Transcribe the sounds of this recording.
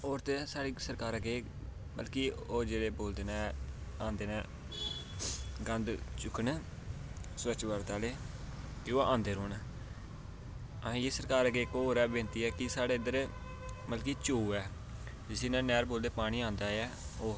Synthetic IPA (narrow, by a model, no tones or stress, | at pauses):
oːɾt̪esaːɽiːsəɾkaːɾəɡeː | mə̰lkiːoːd͡ʒeːɾeːboːld̪eːnaːãːnd̪eːnɛ̃ː | ɡə̃nd̪t͡ʃʊkʰəɳ | swət͡ʃʋəɾt̪aːleː | kɪoːãːnd̪eːɾoːnː | ə̃ːjeːsəɾkaːɾəɡeːkoːɾɛːbẽːnt̪iːɛːkɪsaːɽeːɪd̪əɾ | məlkiːt͡ʃuːɛː | d͡ʒɪsẽːnãːnɛːɾboːld̪eːpaːɽ̃iːãːnd̪aːɛː | oː